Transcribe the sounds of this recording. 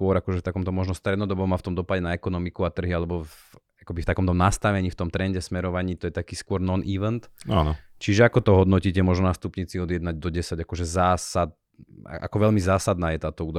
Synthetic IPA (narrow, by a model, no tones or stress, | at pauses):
kʊɔɾakɔʒɛft̪akɔmt̪ɔmɔʒnɔst̪ɾɛd̪nɔd̪ɔbɔmaft̪ɔmd̪ɔpaɟɛnaɛkɔnɔmikuat̪r̩ɦialɛbɔf | akɔbift̪akɔmt̪ɔmnast̪aʋɛɲiːft̪ɔmt̪ɾɛnɟɛsmɛɾɔʋaɲiːt̪ɔjɛt̪akiːskʊɔɾnɔnʔiːʋɛnt̪a̰ːnɔt͡ʃiʒɛakɔt̪ɔɦɔd̪nɔciːcɛmɔʒnɔnast̪upɲiːt͡siɔd̪ɪɛd̪naɟd̪ɔɟɛsaɟakɔʒɛzaːsad̪̰̚ | ʔa̰kɔʋɛʎmizaːsad̪naːjɛt̪aːt̪ɔuːd̪